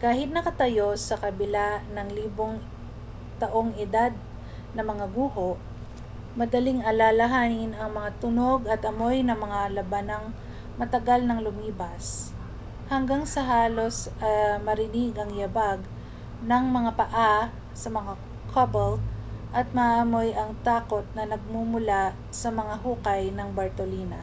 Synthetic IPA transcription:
kaːhɪt̪̚nɐkɐt̪ɐjo̞sɐkɐbɪlanɐŋliːbo̞ŋ | t̪ɐʔo̞ŋɪd̪ad̪̚ | nɐmɐŋaɡuːɦoʔ | mɐd̪ɐliŋɐlalɐɦaːnɪnɐŋmɐŋat̪ʊnoɡɐt̪ʔɐmo̞jnɐŋmɐŋalɐbanɐŋ | mɐt̪ɐɡalnɐŋlʊmiːbɐs | hɐŋɡaŋsɐɦaːlo̞sʔɐjmɐɾɪnɪɡɐŋjɐbaɡ̚ | nɐŋmɐŋapɐʔa | sɐmɐŋa | kʰɐbɛlʔɐt̪̚mɐʔɐmo̞jʔɐŋt̪aːko̞t̪̚nɐnɐɡ̚mumʊla | sɐmɐŋaɦuːkɐjnɐŋbɐɹt̪oliːnɐ

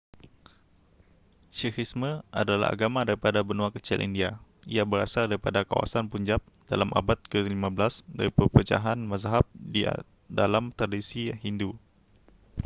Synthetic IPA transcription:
sixisməʔa̰dalaha̰ɡamadaɾipadabənuakət͡ʃḭlʔḭndiaiabəɾa̰sadaɾipadaka̰wa̰sanpuɲd͡ʒap̚d̥a̰lamʔa̰bat̪̚kəlimabəlasda̰ɾipəpət͡ʃa̰ɦanmazɦap̚dḭ | dalamt̪ɾadisihindu

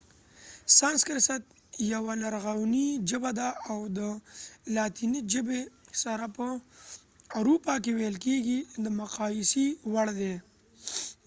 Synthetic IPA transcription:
sɑnskəɾsat̪̚ | jawanaɾɣawnid͡ʒəbad̪aawd̪əlɑt̪inid͡ʒəbesaɾapə | aɾupɑkewejlkeɡid̪əmʊqɑjɪsiwaɽd̪e

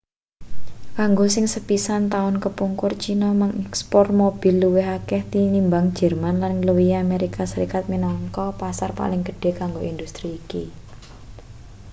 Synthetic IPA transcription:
kaŋɡosɪŋsəpisant̪aʊnkəpuŋkʊrt͡ʃinɔmaŋɛkspɔrt̪̚mob̥i̤lːuwɪɦakɛht̪inimbaŋ̥d͡ʒ̥ɛ̤rmanlanləwiameɾikasəɾikat̪̚minɔŋkɔpasarpa̰lɪŋɡ̥ə̤̥ɖ̥e̤kaŋɡoind̪ust̪ɾiːki

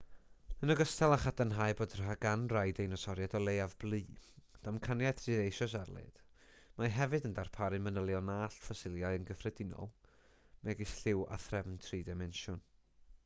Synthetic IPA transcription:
ənəɡəstʰɛlˠaχadanɦaːjboːdrɦaɡanrajdejnɔsɔɾjadɔlˠejavblˠiːd̥amkʰanjatʰriːɾejʃɔsarlˠḛːd̥ | maɦɛvɨdəndarpʰaɾɨmənəlˠjɔnaːɬfasɪlˠjaɨənɡəfrɛdɪnɔ̰lˠ | mɛɡisɬɪwa̰θrɛvntʰriːdɛmɛnʃʊn

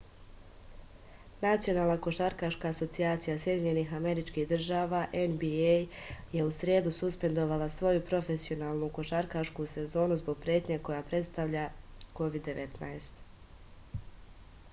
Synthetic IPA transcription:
nat̪sijo̞naːlˠnako̞ʃaɾkaʃkaːso̞t̪siaːt̪sijasje̞d̪iɲe̞nixame̞ɾit͡ʃkihd̪r̩ʒaːʋaʔenbiej | je̞usɾjeːd̪ususpe̞nd̪o̞ʋalˠasʋo̞jupɾo̞fe̞sio̞naːlˠnuko̞ʃaɾkaʃkuse̞zo̞ːnuzbo̞ɡ̚pɾje̞ːt̪ɲeko̞japɾe̞t̪st̪aʋʎako̞ʋid̪ːe̞ʋʔe̞t̪naest̪

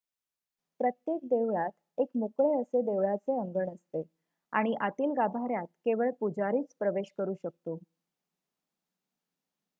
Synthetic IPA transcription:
pɾət̪jek̚d̪eʋɭat̪ | ekmokɭeəsed̪eʋɭat͡seəŋɡəɳəst̪e | aɽ̃iʔat̪iːlɡabʱaɾjat̪keʋəɭpud͡zaɾiːt͡spɾəʋeɕkəɾuːɕək̚t̪o

